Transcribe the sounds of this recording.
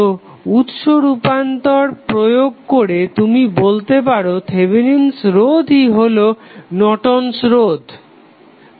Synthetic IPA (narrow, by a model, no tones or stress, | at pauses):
o | ut̪ʃoɾupant̪ɔɾpɾojoɡ̚koɾet̪umibolt̪epaɾot̪ʰebʱininsɾod̪ʱiɦolonɔʈonsɾod̪ʱ